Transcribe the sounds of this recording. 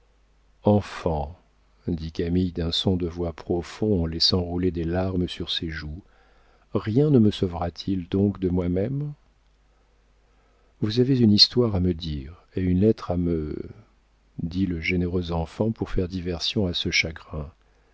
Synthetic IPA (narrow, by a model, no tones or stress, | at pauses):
ɑ̃fɑ̃ | d̪ikamijd̪ɛ̃sɔ̃d̪əvwapχɔfɔ̃ɑ̃lɛsɑ̃ʁuled̪elaʁməsyʁseʒu | ʁjɛ̃nəməsɔvʁat̪ʰild̪ɔ̃kd̪əmwamɛm | vuzavezynist̪waʁaməd̪iːʁ | eynlɛt̪χamə | d̪iləʒeneʁøzɑ̃fɑ̃puʁfɛʁd̪ivɛʁsjɔ̃asəʃaɡʁɛ̃